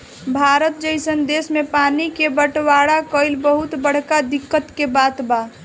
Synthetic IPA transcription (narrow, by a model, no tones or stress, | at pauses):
bʱaːɾət̪̚d͡ʒəɪsənd̪esmepanikebəʈwaɽakəɪlbəɦut̪bəɽ̤kad̪ɪkːət̪kebaːt̪ba